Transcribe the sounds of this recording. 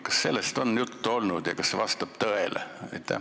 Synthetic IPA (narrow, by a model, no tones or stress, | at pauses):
kɑ̥sse̞lːest̪onjut̪ːuo̞lnud̪̥jɑkɑsseʋɑst̪ɑb̥t̪ɤelḛjt̪ːæ̰